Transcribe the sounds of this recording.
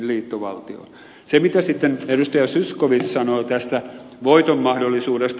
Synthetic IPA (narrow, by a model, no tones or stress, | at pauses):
lliːt̪ːoʋɑ̰lt̪io̰ | semit̪æsit̪ːenedust̪ɑjɑsyskoʋissɑnoːt̪æst̪æ | ʋoit̪omːɑhdolːˑisuːdest̪